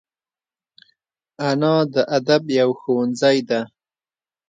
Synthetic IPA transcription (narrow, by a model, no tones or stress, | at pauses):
anɑd̪əʔad̪abjawxowanzajd̪a